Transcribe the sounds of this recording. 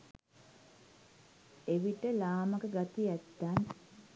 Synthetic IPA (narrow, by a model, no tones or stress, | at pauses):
eʋiʈəlaːmakəɡat̪ijæt̪ːan